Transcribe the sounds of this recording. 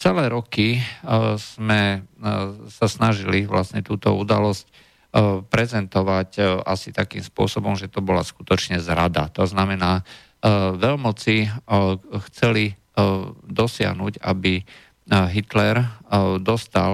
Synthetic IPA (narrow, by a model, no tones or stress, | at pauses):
t͡sɛlɛːɾɔki | z̥mɛ | sasnaʒiliʋlasɲɛt̪uːt̪ɔud̪alɔsc | pɾɛzɛnt̪ɔʋacʔasit̪akḭːmspʊɔ̰sɔbɔmʒɛt̪ɔbɔlasku̥t̪ɔt͡ʃɲɛzɾad̪a̰t̪ɔznamɛnaː | ʋɛʎmɔt͡si | xt͡sɛli | d̪ɔsɪa̰ɦnuɟa̰bi | ɦit̪lɛɾd̪ɔst̪a